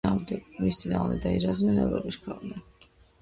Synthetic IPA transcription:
amd̪ɛnist̪ʼina̰nd̪ɛ̰d̪aizazmɛnɛ̰vɾɔ̰biskʰwɛlnɛ

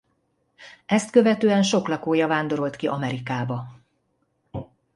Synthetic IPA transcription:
ɛst̪kø̞vɛt̪øːɛnʃo̞klɒkoːjɒvaːnd̪o̞ɾo̞lt̪kiʔɒmɛɾikaːbɒ

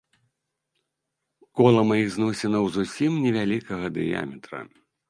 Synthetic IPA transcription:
kɔlˠɐmajiɣznɔsʲɛnɐwzusʲimnʲɛvʲalʲikɐɣɐd̪ɨ̰ja̰mʲɛt̪ɾɐ̰

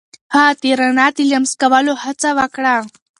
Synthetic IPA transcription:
hat̪iɾənat̪iləmskaʋalohat͡saʋakɽa

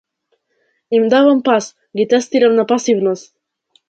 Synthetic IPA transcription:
imd̪avampas | ɡit̪ɛst̪iɾəmnapasivnost̪

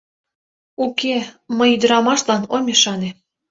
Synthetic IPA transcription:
ukeməjyd̪əɾɑmɑʃlɑnomʲeʃɑne

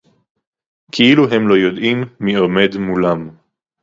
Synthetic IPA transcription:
kʰiiluɦe̞mlo̞jod̪imːiome̞d̪mulam

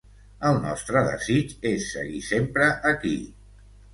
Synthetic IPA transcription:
əlˠnɔ̰st̪ɾəðə̰zit͡ʃesːə̰ɣisempɾəʔəkḭ

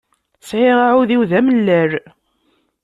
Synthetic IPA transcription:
sʕɪʁaʕuðiwðæməlːæɾ

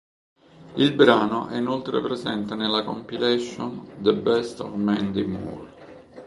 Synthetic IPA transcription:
ilbɾaːnoʔɛ̰inolt̪ɾḛpɾezɛnt̪enelːakompilɛʃːond̪əbɛst̪ɔ̰vmɛnd̪imṵl

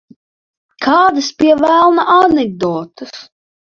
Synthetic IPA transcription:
kʰaːd̪ɐspʲiɛvæːlˠnaʔanɛɡ̚d̪ɔːt̪ɨs

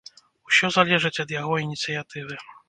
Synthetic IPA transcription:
usʲɔzalʲɛʐɨt͡sʲɐd̪jaɣɔinʲit̪sɨjat̪ɨvɨ

